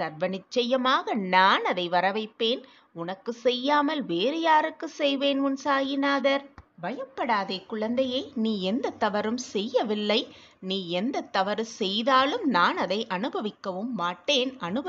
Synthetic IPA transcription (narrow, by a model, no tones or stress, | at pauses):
sɐɾʋɐnɪt͡ʃːɐjɐmaːɣɐnaːnɐðɐɪʋɐɾɐʋɐɪpːeːn | ʊnɐkːɯsɛjːaːmɐlʋeːɾɯjaːɾɯkːɯsɛjʋeːnʊnsaːjɪnaːðɐɾbɐjɐpːɐɽaːðeːkʊɻɐnd̪ɐjɐɪniːɛnd̪ɐt̪ːɐʋɐɾɯmsɛjːɐʋɪlːɐɪ | niːɛnd̪ɐt̪ːɐʋɐɾɯsɛjðaːlɯmnaːnɐðɐɪʔɐnɯbɐʋɪkːɐʋɯmːaːʈːeːnʔɐnɯbɐ